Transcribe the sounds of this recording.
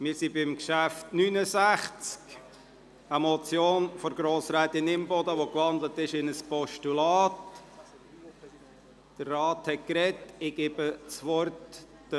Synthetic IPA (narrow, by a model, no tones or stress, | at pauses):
mɪɾsibɪmkʃæftnynəzæχt͡sk | əmɔt͡sjoːnfɔɾɡ̥ɾoːsɾɛːt̪ɪnɪmbɔd̪əʋokʋɑnd̪lətɪʃɪnəspɔʃtulɑːt | d̥ərːɑːthɛt̚kɾɛtɪɡ̥ɛbət͡sʋɔrtː | ə